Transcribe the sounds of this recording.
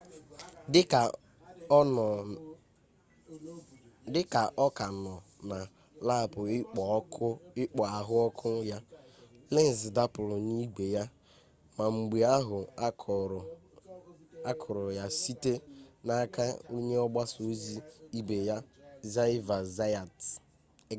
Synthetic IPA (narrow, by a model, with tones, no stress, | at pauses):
dɪ˦ka˨ʔɔ˦ka˨nɔ˨ | na˨ | la˦˨pʊ˨˦ | ɪ˦k͡pɔ˨a˨ɦʊ˦ɔ˦kʰʊ˦ja˦ | le˦n̩˨zɪ˨da˦pʊ˨lʊ˨ni˦ɡ͡be˨ja˦ | ma˨ŋ͡m̩˨ɡ͡bi˨a˦ɦʊ˨˦˨ | a˦kʰɔ˨ɾɔ˨ja˦si˦te˦na˦ka˦u˦ɲe˦ɔ˦ɡ͡ba˦so˨˦zi˦i˦ɡ͡be˨ja˦za˦va˨za˦a˨t